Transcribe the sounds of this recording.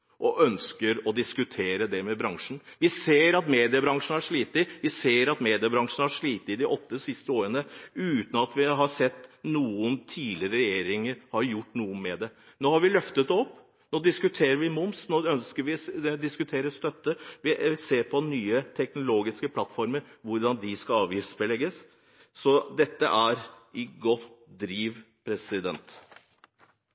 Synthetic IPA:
ʔɔʔœnskəɾɔd̪ɪskʉt̪ʰeːɾəd̪ɛmɛbɾɑŋʂn̩ʋɪseːɾɑt̪meːd̪ɪəbɾɑŋʂn̩æʂɭiːt̪əɪʋɪseːɾɑt̪meːd̪ɪəbɾɑŋʂn̩æʂɭiːt̪əɪd̪ɛʔɔt̪ːəsɪst̪əoːɾənəʉːt̪nɑt̪ʋɪɦɑsɛt̪ːnuːənt̪ʰiːlɪɾəɾɛjeːɾɪŋəɾhɑɾjʊʈːnuːəmeːd̪ɛ | noːhɑɾʋɪlœft̪ət̪ɔpː | noːd̪ɪskʉt̪ʰeːɾəɾʋɪmʊmsnoːœnskəɾʋɪd̪ɪskʉt̪ʰeːɾəst̪œt̪ːəʋɪseːɾpʰɔnyːət̪ʰɛknʊloːɡɪskəpʰlɑt̪ːfɔɾməɾʋʊɾɖ̪ɑnd̪ɪskɑɑːʋjisə̥bɛlɛɡəs | sɔd̪ɛt̪ːə̰ʔæɾɪɡɔt̪d̪ɾiːʋ | pʰɾɛsɪd̪ɛnt̪

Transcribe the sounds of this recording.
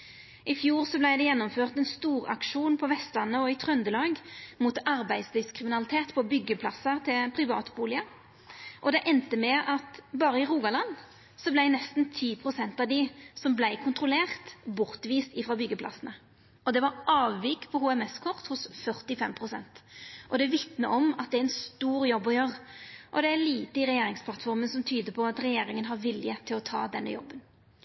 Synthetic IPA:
ʔɪfjuːʁsɔblæɪd̪ɛjɛnːɔmføːʁt̪ɛnst̪uːʁɑ̰kʂuːnpʰɔʋɛst̪lɑnːəɔɪt̪ʰʁœnd̪əlɑːɡmut̪ɑɾbæɪd̪slyːʋskʰɪmɪnɑlɪt̪ʰeːt̪pʰɔbʏɡːəpʰlɑ̰səʁt̪ʰɪlpʰʁɪʋɑ̰ːt̪buːlɪə | ʔɔd̪ɛʔɛnt̪əmɛʔɑt̪bɑːɾəɪʁuːɡɑlɑn | sɔblæɪnɛst̪n̩t̪ʰiːpʰʁʊsɛnt̪ɑʋd̪ɪsɔmblæɪkʰʊnt̪ʁʊleːʁt̪bʊʁt̪ʋiːst̪ɪfɾɑbʏɡːəpʰlɑ̰snə | ɔd̪ɛʋɑɾʔɑːʋːɪkpʰɔhuːɛmɛskʰɔʁt̪hʊsfœʁt̪ɪfɛmpʰɾʊsɛnt̪ʔɔd̪ɛʋɪt̪nəʔɔmɑt̪̚d̪ɛæɾɛnst̪uːɾjɔbːɔjøːʁʔɔ̰d̪ɛæɾliːt̪əɪɾɛjeːɾɪŋspʰlɑt̪fɔɾmənsɔmt̪ʰyːd̪əpʰɔɑt̪ɾɛjeːɾɪŋənɦɑɾʋɪljət̪ʰɪlɔt̪ʰɑ̰ːd̪ɛnːə̰jɔ̰bːən

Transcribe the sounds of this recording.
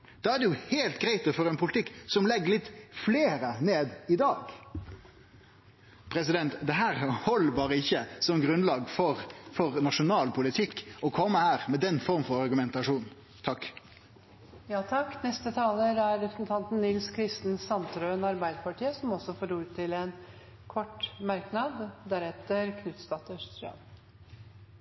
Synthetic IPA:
d̪̥ɑæd̪ɛjʊheːlt̪ɡɾæɪt̪əfɔɾɛɪnpʊlɪt̪ʰɪkːsɔmlɛɡəlɪt̪ːfleːɾəneːd̪ɪd̪ɑːɡ | pʰɾɛs̬ɪd̪ɛnt̪d̪ɛɦæːʁhɔlːəbɑːʁəɪçːəsɔmɡɾʉnlɑːɡfɔʁfɔʁnɑʂʊnɑːlpʰʊlɪt̪ʰɪkːɔkʰɔmːəhæːʁmɛd̪ɛnːfɔɾmfɔɾɑɾɡʉmɛnt̪ɑʂuːn | t̪ʰɑkː | jɑːt̪ʰɑkːnɛst̪ət̪ʰɑːləɾæɾːɛpʰɾəsn̩t̪ʰɑnt̪n̩nɪlskʰɾɪst̪n̩sɑnt̪ɾøɛnɑɾbæɪd̪əpɑʈiːəsɔmɔsɔfoːɾuːɾt̪ʰɪlɛn | kʰɔʈmæɾknɑd̪d̪æɾɛt̪əɾkʰnʉt̪st̪ɑt̪ːəəʂt̪ɾɑ̰m

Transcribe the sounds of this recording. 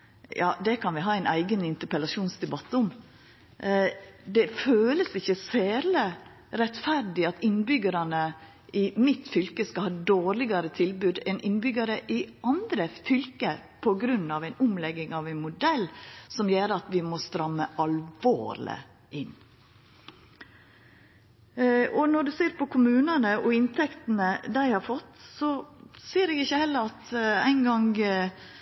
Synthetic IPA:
jɑːd̪ɛkʰɑnʋɪɦɑːæɪnæɪɡənɪnt̪əɾpəlɑʂuːnsd̪ɛbɑt̪ːʊm | d̪ɛføːləsɪçːəseːɾlə | ɾɛt̪fæɾd̪ɪɑt̪ɪnbʏɡəɾɑnə | ɪmɪt̪fʏlkəskɑlhɑːd̪oːɾlɪɡɑɾət̪ʰɪlbʉd̪ɛnɪnbʏɡəɾəʔɪɑnd̪ɾəfʏlkəpʰɔɡɾʉnːɑʋæɪnʊmlɛɡɪŋɑʋæɪnmʊd̪ɛlsɔmjøːɾəɑt̪ʋɪmɔst̪ɾɑmːəʔɑlʋo̰ːɾlə̰ | ʔɪn | ɔnɔɖʉseːɾpʰɔkʰʊmʉːnənəʔɔɪnt̪ʰɛkt̪nəd̪æɪhɑɾfɔt̪ːsɔseːɾeːɡɪçːəhɛlːəɾɑt̪æɪnɡɑŋ

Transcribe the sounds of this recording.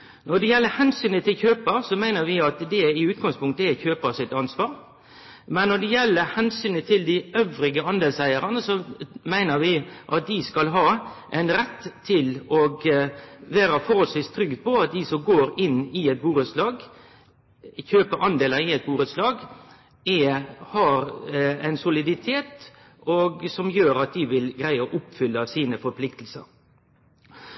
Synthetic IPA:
nɔd̪ɛjɛlːəhɛnsyːnət̪ʰɪlçøːpəɾsɔmæɪnəɾʋɪɑt̪d̪ɛɪʉːt̪̚ɡɑŋspʰʊŋk̚t̪əɛçøːpəsɪt̪ɑnsʋɑːɾ | mɛnːɔd̪ɛjɛlːəhɛnsyːnət̪ʰɪld̪ɪøʋɾɪɡəɑnd̪eːlsæɪəɾənəsɔmæɪnəɾʋɪʔɑt̪̚d̪ɪskɑlɦɑːʔɛɪnɾɛt̪ʰːɪlɔɡ | ʋæːɾəfɔɾɔsɪst̪ʰɾʏɡd̪̚pʰɔɑt̪̚d̪isɔmɡoːɾɪnːɪɛt̪̚buːɾət̪slɑːɡ | çøːpəɾʔɑnd̪eːləɾɪɛt̪̚buːɾət̪slɑːɡ | ɛhɑɾæɪnsʊlɪd̪ɪt̪ʰeːt̪ | ɔɡsɔmjøːɾɑt̪̚d̪ɪʋɪlɡɾæɪəʔʊpːfʏlːəɑʋsiːnəfɔɾpʰlɪkt̪l̩sə̰ɾ

